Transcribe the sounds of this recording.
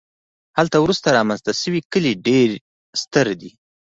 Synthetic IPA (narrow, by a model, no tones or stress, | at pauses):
halt̪awɾust̪aɾɑmanzt̪aʃəwikəliɖeɾ | st̪əɾd̪i